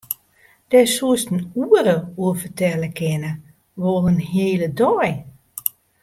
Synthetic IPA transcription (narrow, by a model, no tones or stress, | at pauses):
d̥ɛsuəstn̩uəɾəuəfətɛləkʰɪnə | ʋolˠənɦeːlədɔj